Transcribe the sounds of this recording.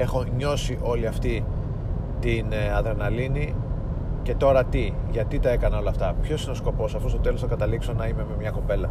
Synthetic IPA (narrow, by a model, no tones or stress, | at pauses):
e̞xo̞ɲo̞siʔo̞liɐft̪i | t̪inɐðɾenɐlini | ce̞t̪o̞ɾɐt̪iʝɐt̪it̪ɐe̞kɐno̞lɐːft̪ɐpço̞sineo̞sko̞po̞sɐft̪ost̪o̞t̪e̞losθɐkɐt̪ɐlikso̞nɐime̞me̞mɲɐko̞pe̞lɐ